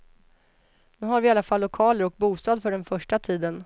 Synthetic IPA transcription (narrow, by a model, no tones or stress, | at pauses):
nʉ̟ːɦaɾvɪalːafalːʊkʰɑːləɾɔk̚buːst̪ɑːd̪fœɖɛnfœʂʈat̪ʰiːd̪ən